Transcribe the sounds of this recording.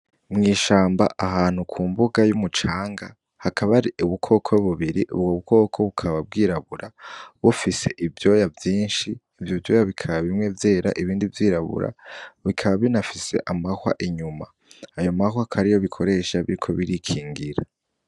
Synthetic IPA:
mŋiːʃaːmba̰ʔaɦaːn̥hukʰuːmbuɡajumut͡ʃaːŋɡa | hakʰaβaɾiʔuβukʰo̞ːkʰo̞βuβiɾiʔṵβɡoːβuko̞ːkʰo̞βukʰaβab̚ɡiːɾaβuɾaβufise̞ʔivjo̞ːjavjiːnʃiːvjovjo̞ːjaβikʰaβaβimŋe̞vje̞ːɾa̰ʔiβiːndivjiːɾaβṵɾʔa̰βikʰaβaβinafise̞̰ʔamahwa̰ʔiɲumaː | jo̞mahwakʰaɾijo̞βikʰo̞ɾe̞ʃaβiɾikʰo̞βiɾikʰiːŋɡiɾa

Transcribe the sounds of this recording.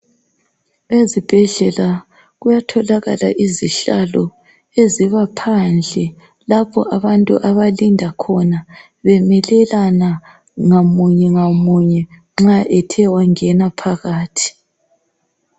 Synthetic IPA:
ezib̥ʱɛɮɛla | ɣujatʰɔlaɣa̰la̰ʔiziɬalɔ | eziβapʰand͡ɮʱɛ | lapʰɔ̰ʔaβantʼṵʔaβalindʱakʰɔna | βɛmɛlɛlana | ŋamuɲɛŋamuɲɛ | ŋ͡ǁaʔɛtʰɛwaŋɛnapʰaɣaːtʰi̥

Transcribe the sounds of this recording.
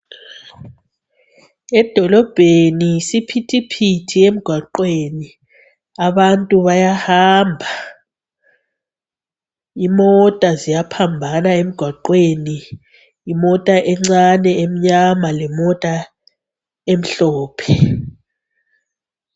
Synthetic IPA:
ɛd̥ʱɔlɔb̥ʱenisipʰitʰipʰitʰiem̩ɡ̥ʱwaǃweni | aβantʼuβajahaːmbʱa | imɔtʼazijapʰambʱanaem̩ɡ̥ʱwaǃweniː | mɔtʼaʔɛŋ͡ǀanɛem̩ɲamalɛmɔtʼa | em̩ɬɔːpʰɛ

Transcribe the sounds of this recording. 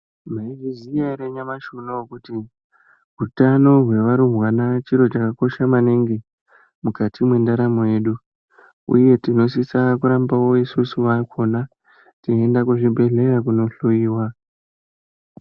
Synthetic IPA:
maiʐizijaɾeɲamaʃunokuti | ɦutano̞ɦwe̞ʋaɾuɦwanat͡ʃiɾo̞t͡ʃakako̞ʃamaneŋɡe | mukatʰimwe̞ndaɾamoje̞ːɗu | ṵje̞tino̞s̬isakuɾambawo̞isusuʋakʰo̞na | tiendakuʐibʱe̞ɮe̞rakuno̞ɬujiːwa

